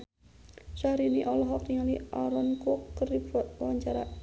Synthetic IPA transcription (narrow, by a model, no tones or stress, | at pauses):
sahɾiniʔɔlɔɦɔk̚t̪iŋaliʔaɾɔnkɔkːəripwaɲt͡ʃaɾa